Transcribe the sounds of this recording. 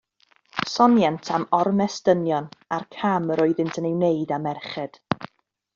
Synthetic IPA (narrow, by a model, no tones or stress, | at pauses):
sɔnjantʰamɔrmɛstənjɔnarkʰaməɾɔɨðɪntʰənewneɨdamɛrχɛd̥